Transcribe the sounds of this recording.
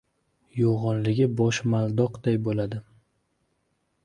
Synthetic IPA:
joʁɒnlɪɡʲɪbɒʃmalˠd̪ɒqd̪ajbolad̪ɪ

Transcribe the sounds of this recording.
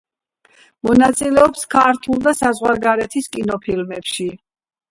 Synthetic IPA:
mɔnat̪sʼilɛɔpskʰaɾt̪ʰulˠd̪asazʁwaɾɡaɾɛt̪ʰiskʼinɔpʰilmɛpʃi

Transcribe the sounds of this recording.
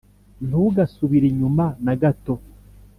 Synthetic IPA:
n̥uuɡasuβiɾiɲumanaɡato

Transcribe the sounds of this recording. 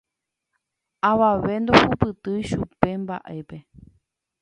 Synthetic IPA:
aʋaʋe̞nd̪ohupɨt̪ɨjʃupe̞mba̰ʔe̞pe̞

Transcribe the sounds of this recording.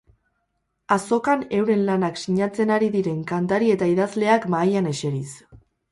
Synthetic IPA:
aso̞kane̞wɾe̞nlanaksiɲat͡se̞naɾiðiɾe̞ŋkant̪aɾie̞t̪aiðazle̞akmajane̞ʃe̞ɾis

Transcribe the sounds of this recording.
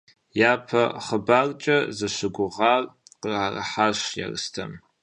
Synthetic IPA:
jaːpʰɐχəbaːrt͡ʃʼɐzɐɕɨɡʷʊʁɑːrqəraːrɐ̰ħaːɕja̰rɨstʰɐ̰m

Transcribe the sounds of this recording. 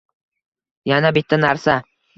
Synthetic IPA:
janabɪt̪ʰːanaɾsa

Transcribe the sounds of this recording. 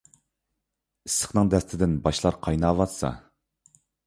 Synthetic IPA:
isːə̥χnɨŋd̪ɛst̪ʰɪd̪ɪnbɑʃlˠɑɾqʰɑjnɑvɑt̪sɑ̰

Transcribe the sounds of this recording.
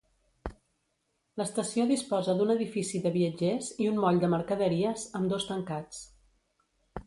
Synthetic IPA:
ləst̪əsioðispɔzəðunəðifisiðəβiəd͡ʒeziunmɔʎd̪əməɾkəðəɾiəzəmd̪ost̪əŋkat͡s

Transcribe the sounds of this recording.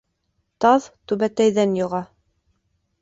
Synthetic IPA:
t̪ɑðt̪ʉβæt̪æjðænjŏʁɑ

